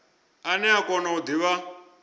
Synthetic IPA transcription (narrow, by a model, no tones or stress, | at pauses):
anɛakɔnaud̪iβa